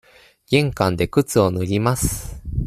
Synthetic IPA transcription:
ɡ̥ẽ̞ŋkãnd̪e̞kɯ̟t͡sɨo̞nɯɾʲimasɨ̥

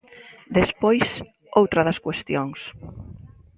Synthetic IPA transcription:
d̪espojs | owt̪ɾɐðɐskwest̪joŋs

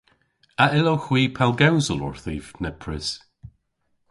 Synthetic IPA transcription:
aɪlowxw̥iːpʰɛlˠɡawzəlˠɔ̰ɹθivnɛpʰɹɪs

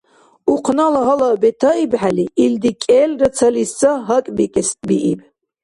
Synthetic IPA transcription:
uqʰnalaɦalabɛt̪ʰaibħaliild̪ikʼɛlrat͡sʰalisaɦakʼbikʼɛst̪ʼbiʔib

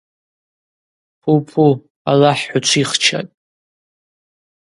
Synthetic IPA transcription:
pʰupʰu | a̰laħħʊt͡ʃʷʰiχt͡ʃʰa̰tʼ

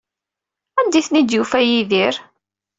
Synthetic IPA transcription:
ænd̪iθnid̪jufæjiðiɾ

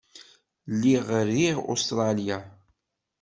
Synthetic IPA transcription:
lːiʁəɾiʁo̰st̪ɾˤɑlja

